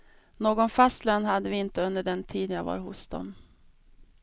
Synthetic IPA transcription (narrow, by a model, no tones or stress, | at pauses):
noːɡɔnfast̪løːnhad̪ːəvɪɪnt̪əɵnd̪əɖɛnt̪ʰiːd̪njaːɡva̰ːɾhʊsd̪ɔ̰m